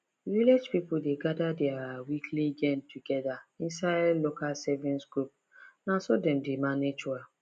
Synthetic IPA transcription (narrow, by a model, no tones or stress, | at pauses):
viled͡ʒpipʊldeɡadadɛawikʰliɡɛ̃ntʰːuɡɛðaĩnsaɪdlokalsɛvĩnsɡɾup̚ | nasɔdɛmdemaned͡ʒua